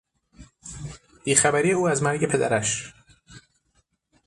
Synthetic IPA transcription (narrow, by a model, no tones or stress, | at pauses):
b̥iːxæbæɾiːeuːæzmæɾɟe̞pʰed̪æ̰ɾæʃ